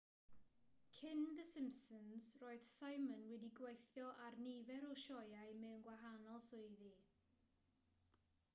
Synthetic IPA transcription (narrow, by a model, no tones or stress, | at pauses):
kʰɪnðəsɪmsənz̥roːɨð̥sajmənwɛdiɡwejθjɔʔarnivɛɾɔʃɔjaɨmɛwnɡwaɦanɔlˠsʊɨði